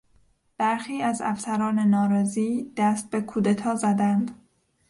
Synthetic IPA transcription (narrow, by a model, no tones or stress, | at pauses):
b̥æɾxiːæzæ̰fsæɾɒːnenɒːɾɒːziːd̪̥æst̪̚be̞kʰuːd̪et̪ʰɒːzæd̪ænd̪